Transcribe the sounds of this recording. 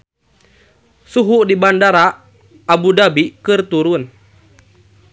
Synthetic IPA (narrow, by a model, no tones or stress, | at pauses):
suɦuʔdibandaɾaː | budabikɨrt̪uɾun